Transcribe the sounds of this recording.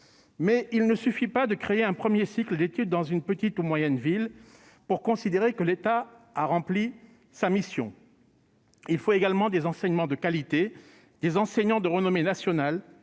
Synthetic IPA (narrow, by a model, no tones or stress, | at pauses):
mɛilnəsyfipad̪əkχeeɛ̃pχəmjesikləd̪et̪yd̪ːɑ̃zynpət̪it̪umwajɛnvil | puʁkɔ̃sid̪eʁekəlet̪aaʁɑ̃pli | samisjɔ̰̃ | ilfoeɡalmɑ̃d̪ezɑ̃sɛɲmɑ̃d̪əkalit̪e | d̪̥ezɑ̃sɛɲɑ̃d̪əʁənɔmenasjɔnal